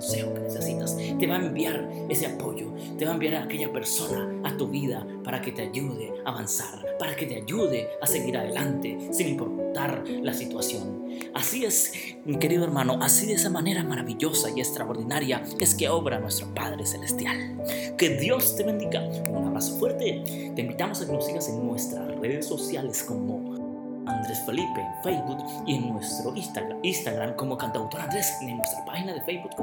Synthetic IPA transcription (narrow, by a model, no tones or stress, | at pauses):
kkonse̞xokenese̞sit̪ast̪e̞βaembjaɾ | e̞se̞apo̞ʝo̞ | t̪e̞βaembjaɾaːke̞ʝape̞ɾso̞naːt̪uβiða | paɾaket̪e̞aʝuðe̞aːβansaɾpaɾake̞t̪e̞aʝuðe̞ase̞ɣiɾaðe̞lant̪e̞siŋimpoɾut̪aɾlasit̪wasjo̞n | asie̞s | mike̞ɾiðoeɾmano̞ʔasiðeesamane̞ɾamaɾaβiʝo̞saiekst̪ɾaoɾðinaɾja | e̞skeo̞βɾanwe̞st̪ɾo̞paðɾeselest̪jal | ke̞ðjo̞st̪e̞βe̞nd̪iɣaonaβaɣasfwe̞ɾt̪e | t̪eimbit̪amosakeɾosiɣaseŋnwe̞st̪ɾasre̞ðesːo̞sjalesko̞mo̞ | and̪ɾe̞sfe̞lipe̞fejzbuk | ieŋnwe̞st̪ɾoiainst̪aɣɾamko̞mokant̪awt̪o̞ɾand̪ɾes | enwest̪ɾapaxinaðe̞fejzbuk